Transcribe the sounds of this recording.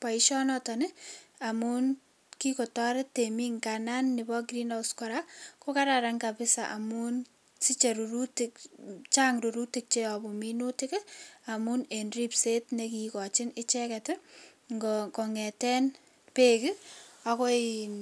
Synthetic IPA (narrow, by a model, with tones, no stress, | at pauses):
pa˨i˦ʃɔ˦nɔtanɪa˨mu˦n | ki˦ko˨tɔ˦ɾɪtemi˦ŋkana˦nːɪbɔɡɾina˦skɔɾako˦kaɾaɾa˨ŋkapɪ˦sa̰ʔa̰˨mun | si˦t͡ʃe˨ɾuɾu˦tikt͡ʃaŋɾu˨ɾu˦ti˦k̚t͡ʃe˦ɔ˨bɔ˨mino˦tɪ˦kɛa˨munenri˦pse˦tnekikɔ˨t͡ʃɪ˦nɪ˦t͡ʃɛ˦kɛtɪ | ŋɡɔkɔ˨ŋɛ˨tɛ˦n | pe˦kɪako˦i